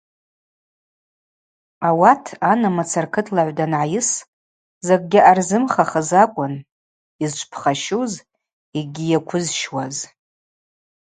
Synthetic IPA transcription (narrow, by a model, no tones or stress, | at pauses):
awatʰanamat͡sʰarkʰɨtʰlaʕʷdanʕajɪs | zak̚ʼɡʲɪʔarzɨmχaχəzakʷʼʊn | izt͡ʃʷʰpʰχaʃuz | iɡʲijakʷʰʊzʃwaz